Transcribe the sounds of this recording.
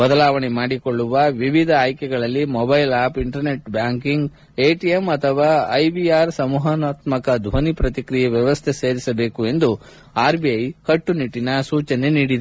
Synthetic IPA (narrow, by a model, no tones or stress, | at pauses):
bɐd̪ɐlaːʋɐɳemaːɽikoɭːuʋɐʋiʋid̪ʱɐaːjkɛɡɐɭɐlːimɔbɐjlaːpiɳʈɐɾne̞ʈbjaːŋkiŋɡ | eːʈijemɐt̪ʰɐʋaːɐjbiaːɾsɐmuːɦɐnaːt̪mɐkɐd̪ʱʋɐnipɾɐt̪ikɾijɐʋjɐʋɐst̪ʰese̞ːɾisɐbe̞ːkue̞nd̪u | aːɾbiɐjkɐʈːuniʈːinɐsuːt͡ʃɐneniːɽid̪e